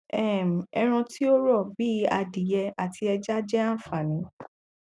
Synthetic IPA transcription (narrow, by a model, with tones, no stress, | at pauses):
ɛ˦˨m̩˨ɛ˧ɾ̃ũ˧ti˦o˦ɾɔ˦˨bi˦a˧di˨jɛ˧a˨tʰi˧ɛ˧d͡ʒa˦d͡ʒɛ˦ã˦˨fa˨nĩ˨˦